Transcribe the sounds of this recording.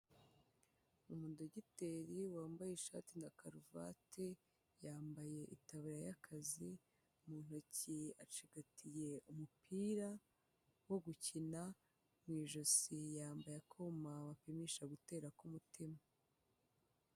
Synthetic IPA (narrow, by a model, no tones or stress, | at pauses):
umuːndoɟiteɾiwaːmbajeʃa̰ːtindakaɾuva̰tʰe | jaːmbaje̞ʔitaβiɾajakʰazi | muːn̥hociat͡ʃiɡ̥atʰije̞umupʰiːɾa | wo̞ɡucina | mŋiːʒosijaːmbajakʰomaβapimiʃaɡute̞ːɾakumutima